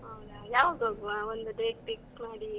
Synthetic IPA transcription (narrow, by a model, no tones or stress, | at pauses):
ɦɐwd̪ajaːʋaːɡ̪ɦoːɡuʋaond̪uɖeːʈpiksmaːɽi